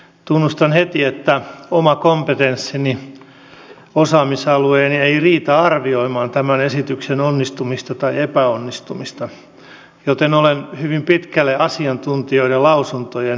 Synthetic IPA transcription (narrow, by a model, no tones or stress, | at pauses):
t̪unːust̪ɑnhet̪iet̪ːæomɑkompet̪ensːini | osɑːmisɑlueːnieiriːt̪æɑrʋioimɑːnt̪æmænesit̪yksenonːist̪umist̪ɑt̪ɑiepæonːist̪umist̪ɑ | jot̪enolenhyʋimpit̪kælːeʔɑsiɑnt̪unt̪ioiɾelɑusunt̪ojen